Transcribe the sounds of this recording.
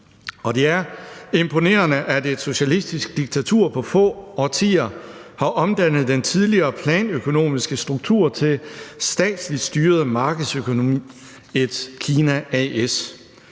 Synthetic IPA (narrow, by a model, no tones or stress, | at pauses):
ɒ̽d̥e̝æɐe̝mpʰo̝ne̝̰ːɐnəʔæd̥e̥so̝ɕælisd̥isɡ̥̚d̥iɡ̥̚t͡sʰæt͡sʰuɐ̰pʰɒ̽fɔ̰̽ːɒt͡sʰḭːɐhɑ̈ʔɒ̽md̥æn̰ð̞̩ˠd̥ent͡sʰið̞ˠliɐːpʰlɛːnøkʰo̝no̝̰ːmisɡ̥əsd̥ʁuɡ̥t͡sʰṵɐ̰t͡sʰe̝lsd̥ɛ̰ːd̥slid̥sd̥yːɐð̞̩ˠmɑ̈ːɡ̥əð̩ˠsøkʰo̝no̝mḭː | e̝d̥kʰiːnæɛes